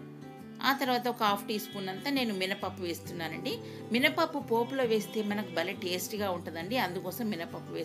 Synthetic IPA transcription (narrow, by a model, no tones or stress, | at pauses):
a̰ːt̪ɐɾuʋaːt̪̬ɐɔkɐaːpʰʈiːspuːnɐnt̪ane̞ːnuminɐpɐpːuʋe̞ːst̪unːaːnɐɳɖi | minɐpɐpːupo̞ːplo̞ːʋe̞ːst̪e̞ːmɐnɐkubɐleʈeːsʈiɡaːuɳʈund̪ɐɳɖiɐnd̪ukɔːsɐmːinɐpɐpːuʋeːs